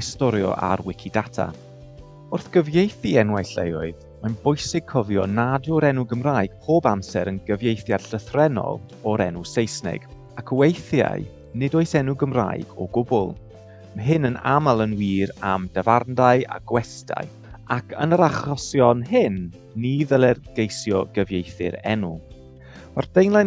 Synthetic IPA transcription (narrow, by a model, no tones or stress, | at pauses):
ɪstɔɾjɔ̰ʔa̰ɾwɪkʰidatʰa̰ | ʊrθɡ̥əvjejθiɛnwajɬḛjɔɨð | manbʊjsɪɡ̚kʰɔvjɔnadʊɾɛnʊɡəmraːɨɡ̥̚pʰoːbamsɛɾənɡəvjejθjad̥ɬəθrɛnɔ̰lˠɔɾɛnʊsejsnɛ̰ɡ̥ | akʰəwejθja̰ɨ | nɪdoːɨsɛnʊɡəmra̰ɨɡ̥ɔ̰ɡʊbʊ̰lˠ | mɦɪnəna̰malˠənwiːɾamd̥avarndaɨa̰ɡ̥wɛstʰa̰ɨ | akʰənəɾaχɔsjɔnhɪnː | iðəlˠɛrɡ̥ejsjɔɡəvjejθɪ̰ɾɛ̰nu | ɔrd̥ejnlˠa